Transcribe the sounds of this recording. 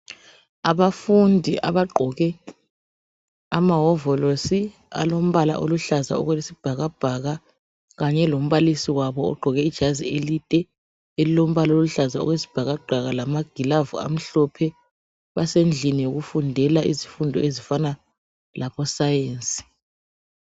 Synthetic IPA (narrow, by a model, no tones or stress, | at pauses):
aβafundʱiʔaβaɡ͡ǃʱɔɣɛ | amaɦɔvɔlosi | a̰lom̩βala̰ʔo̰luɬaza̰ɔ̰ɣwelisib̥ʱaɣab̥ʱaɣa | ɣaɲɛlom̩βalisiwaβɔ̰ːɡ͡ǃʱɔɣɛid̥ʒ̥ʱazielitʼɛ | elilom̩βalaoluɬazaɔ̰ɣwesi̥b̥ʱaɣaɡ͡ǃʱaɣalamaɡ̥ʱilavua̰m̩ɬɔpʰɛ | βasend͡ɮʱinijoɣufundʱɛlaʔizifundʱɔezifana | laβɔsajeːnt͡sʼi̥